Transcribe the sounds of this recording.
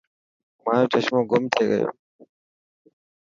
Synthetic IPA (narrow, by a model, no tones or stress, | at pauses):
mãːjoːt͡ʃəʃmõːɡʊmt̪ʰeːɡə̰jo̰ː